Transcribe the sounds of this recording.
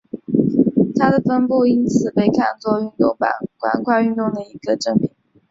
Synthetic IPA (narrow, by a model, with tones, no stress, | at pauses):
t̪ʰa˥d̪ə˨fə˥npu˥˩i˥nt͡sʰɹ̩˨˩pe˥˧ɪkʰa̰˥˧nt͡swɔ˥˧y˥˧nt̪ʊ˥˩ŋpa̰˨˧˩nkwa̰˨˩nkʰwa˥˧y˥˧nt̪ʊ˥˩ŋd̪ə˩i˧˥ɡə˧ʈ͡ʂɤ˥˩ŋmi˨˦ŋ